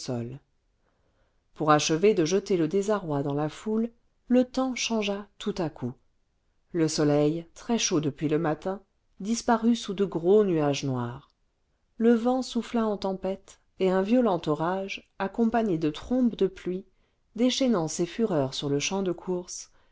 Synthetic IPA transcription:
sɔ̰l | puʁaʃəved̪əʒət̪eləd̪ezaʁwad̪ɑ̃lafulː | ət̪ɑ̃ʃɑ̃ʒat̪ʰut̪akʰu | ləsɔlɛjt̪χɛʃod̪əpɥiləmat̪ɛ̃ | d̪ispaʁysud̪əɡʁonyaʒnwaʁ | ləvɑ̃suflaɑ̃t̪ɑ̃pɛt̪ | eɛ̃vjɔlɑ̃t̪ɔʁaʒ | akɔ̃paɲed̪ət̪χɔ̃pd̪əplɥi | d̪eʃɛnɑ̃sefyʁœʁsyʁləʃɑ̃d̪əkʰuʁs

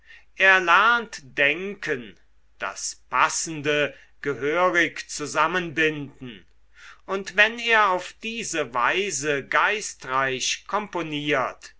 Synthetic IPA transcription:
ʔeːɐlæɐntd̥ɛŋkʰən | d̥a̰spʰasn̩də | ɡ̥əɦøːʁɪkt͡suzamənbɪndn̩ | ʔʊntvɛneːɐaʊfd̥iːzəvaɪzəɡaɪstʁaɪʃkʰɔmponiːɐt

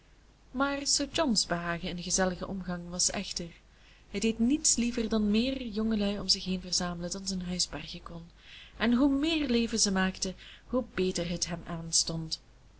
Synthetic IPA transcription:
maːrsəːɹd͡ʒɔnzbəɦaːɣəɪndəɣəzɛləɣəʔɔmɣɑŋʋɑsɛ̰xtər | ɦəjdeːtnitslivərdɑnmɪːrjɔŋəlœɥɔmzɪxɦeːnvərzaːmələdɑnzənɦœɥzbɛrɣəkɔn | ɛnɦumɪːrleːvəzəmaːktəɦubeːtərɦətɦɛmaːnstɔnt

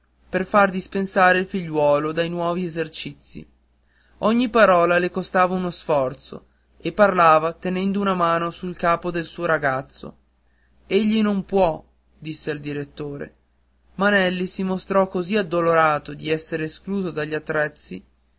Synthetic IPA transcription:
perfard̪ispensaːɾeilfiʎːwɔːlod̪ajnwɔːviezert͡ʃit̪sːḭ | ɔɲːipaɾɔːlalekost̪aːvaunosfɔrt̪so̰ | epːarlaːvat̪enɛnd̪ounamaːnosulkaːpod̪elsuːoɾaɡat̪sːo̰ | eʎːinompwɔ | d̪isːeld̪iɾet̪ːoːɾḛ | manɛlːisimost̪ɾɔkːoziad̪ːoloɾaːt̪od̪iɛsːeɾeːskluːzod̪aʎːiat̪ːɾɛt̪sːi

